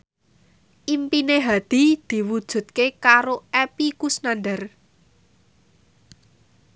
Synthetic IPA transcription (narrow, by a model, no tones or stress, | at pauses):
ʔimpineɦad̪̥i̤d̪̥i̤wud̥ʒ̥ṳt̪̚kekaɾoepikusnanɖər